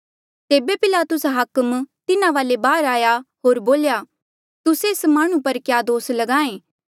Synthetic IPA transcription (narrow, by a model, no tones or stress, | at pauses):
t̪eːbepɪlaːt̪ʊsɦɐkəmt̪ɪnaʋaːlebaːɾaːjaɦoːɾboːljaː | t̪ʊseɪsmaːɽ̃ũpɐɾkjaːd̪oːslɐɡãːẽː